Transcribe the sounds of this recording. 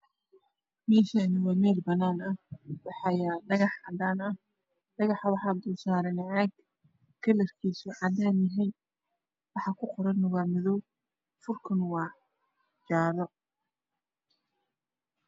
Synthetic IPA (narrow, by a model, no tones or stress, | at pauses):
mɛːʃɐɪnɪwɑːmɛːrbɐnaːnɐhwɑħɑjadɐɣɑħʕɑd̪aːnɐh | ɖɐɣɑħɐwɑħɑd̪ʊsaːɾɛnɛʕaːɡ | kʰɐlɛrkʰiːsʊʕɑd̪aːnjɐɦɛjn | wɑħɑkʰʊqɔɾɐnːʊɣaːmɪðɔw | fʊrkʰɐnwɑː | d͡ʒaːðɔ